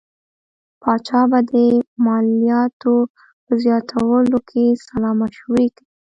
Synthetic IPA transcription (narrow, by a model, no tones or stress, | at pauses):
pɑt͡ʃɑbad̪əmɑlijɑt̪o | pəzjɑt̪ʰawəlokʰesalɑmaʃwiki